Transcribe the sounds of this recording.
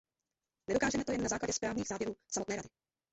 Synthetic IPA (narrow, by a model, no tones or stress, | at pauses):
nɛdokaːʒɛmɛt̪ojɛnːazaːklaɟɛspɾaːvɲiːɣzaːvjɛɾuːsamot̪nɛːɾadɪ